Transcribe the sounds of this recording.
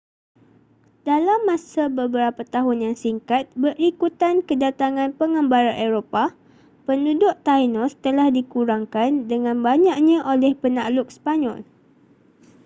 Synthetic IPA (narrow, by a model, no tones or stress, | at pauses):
dalamːãsabəbəɾapat̪aɦʊnjaŋsiŋkat̪̚bərikut̪ankədat̪aŋãnpəŋə̃mbaɾaʔeɾopa | pəndudʊʔt̪ajnɔst̪əlahdikuɾaŋkandəŋãnbaɲak̚ɲãʔolɛhpənaʔlʊk̚spaɲɔ̰l